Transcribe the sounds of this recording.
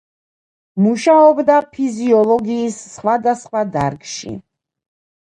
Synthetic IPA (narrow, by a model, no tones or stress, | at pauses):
muʃaɔbd̪apʰiziɔlˠɔɡiːsːχwad̪asχwad̪aɾkʃḭ